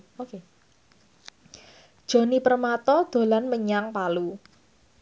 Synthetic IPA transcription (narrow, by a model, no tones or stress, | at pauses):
oke | d̥ʒ̥o̤nipərmat̪ɔd̪̥o̤lanməɲaŋpalu